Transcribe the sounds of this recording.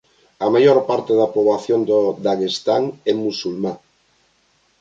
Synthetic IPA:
amajoɾpaɾt̪eðapoβlaθjond̪od̪aɣest̪aŋɛmusulmã

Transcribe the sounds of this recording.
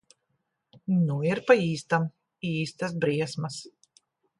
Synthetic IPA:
nuiɾpaiːst̪am | iːst̪as̬bɾiɛsmas

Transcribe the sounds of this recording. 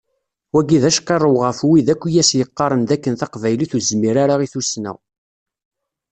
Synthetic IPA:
wæɡiðæʃkːɑrˤːəwʁəfwiðækʷːijæsjəqːɑɾˤənd̪ækːənθɑqvæjliθuzmiɾaɾaʁiθusnæ̰ʁ

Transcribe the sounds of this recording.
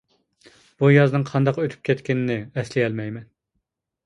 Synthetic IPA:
b̥ujɑznɨŋqʰɑnd̪ɑqøt̪ʰy̥p̚kʲʰɛt̪kʲɪnɪnɪɛslɪɛlmɛjmɛn

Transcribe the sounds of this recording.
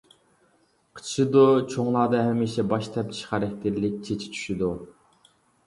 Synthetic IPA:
qʰə̥t͡ʃʰʃɨd̪ut͡ʃʰoŋlˠɑːd̪ɑɦɛmiʃɛbɑʃt̪ʰɛpt͡ʃʰi̥ʃχæɾɛk̚ʲt̪ʰɪɾlɪk̚ʲt͡ʃʰet͡ʃʰi̥t͡ʃʰy̥ʃid̪u

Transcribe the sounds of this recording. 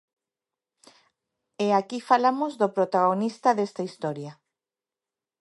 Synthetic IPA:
eakifalamozðopɾot̪aɣonist̪ɐðest̪aist̪ɔɾja

